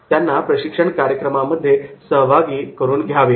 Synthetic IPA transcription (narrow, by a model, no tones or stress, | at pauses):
t̪janːapɾəɕikʂəɳkaɾjəkɾəmaməd̪ʱːjesəɦʋaɡiːkəɾuːnɡʱjaʋe